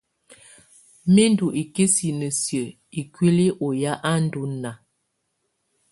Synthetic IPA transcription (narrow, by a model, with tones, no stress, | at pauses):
me˦n˦du˨ʔi˨ke˦si˨nə˨sjə˨ | i˨kwi˦li˦ʔo˨ja˦ʔa˦n̩˦du˦na˨